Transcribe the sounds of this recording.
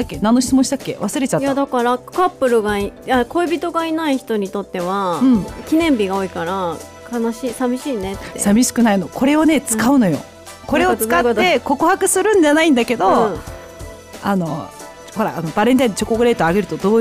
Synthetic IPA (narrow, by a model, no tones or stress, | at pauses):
akːe̞nãnːoɕi̥t͡sɨmõɕit̪akːe̞̰βasɨɾe̞t͡ɕat̪jad̪akaɾakapːɯ̟ɾɯ̟ɡaiakoibʲit̪o̞ɡainaiçi̥t̪o̞ɲ̟it̪o̞t̪ːe̞βaɯ̟̃ɴɴkʲinẽ̞mbʲiɡao̞ikaɾa | kanaɕiːsabʲiɕiːne̞t̪ːesabʲiɕi̥kɯ̟naino̞ko̞ɾe̞o̞ne̞t͡sɨ̥kaɯ̟no̞jo̞̰ | ko̞ɾe̞ot͡sɨkat̪ːe̞ko̞kɯ̟hakɯ̟sɨɾɯ̟̃ɲ̟d͡ʑanaĩnd̪ake̞d̪o̞ | ano̞ | ho̞ɾa̰ːno̞baɾeɲit̪aid̪t͡ɕo̞koɡɯ̟ɾe̞ːt̪oaɡe̞ɾɯ̟t̪od̪oː